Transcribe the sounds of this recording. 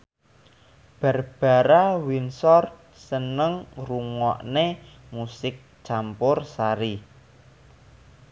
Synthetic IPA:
b̥a̤rb̥a̤ɾawinsɔr | sənəŋruŋɔ̰ʔne | musɪk̚ | t͡ʃampʊrsaɾi

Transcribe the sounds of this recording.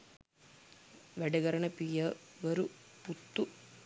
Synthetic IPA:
ʋɛɽɐɡɐɾɐɳɐpijɐʋɐɾuput̪ːu

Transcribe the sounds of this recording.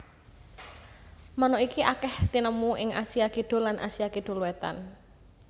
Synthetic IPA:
mənoikiʔakɛht̪inəmuʔɪŋʔa̰sijakiɖ̥o̤lanʔa̰siakiɖ̪̥o̤lwɛt̪a̰n

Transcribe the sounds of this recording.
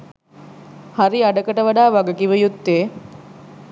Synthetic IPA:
haɾiaɖəkəʈəʋaɖaːʋaɡɐkiʋəjut̪ːeː

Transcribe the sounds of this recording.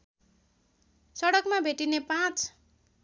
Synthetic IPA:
sʌɽʌkmabʱeʈinepãt͡s

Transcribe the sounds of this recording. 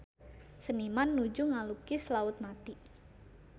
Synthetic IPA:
sənimanːud͡ʒuŋalukɪslaʊt̪̚mat̪i

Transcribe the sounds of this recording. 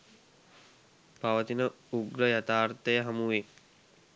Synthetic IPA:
paʋət̪inə | uɡɾəjat̪aːrt̪əjəɦamuʋe

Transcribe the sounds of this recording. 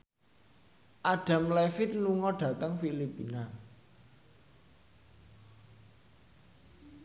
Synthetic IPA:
ʔaɖ̥a̤mlɛfɪt̪̚luŋɔɖ̥ä̤t̪əŋfilipḭna

